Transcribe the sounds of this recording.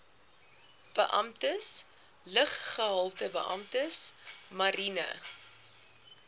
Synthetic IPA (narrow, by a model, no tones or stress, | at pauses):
b̥əʔɐ̰mtəs | ləχχəɦɐlˠtəbə̰ʔɐ̰mtəsmɐɾinə̰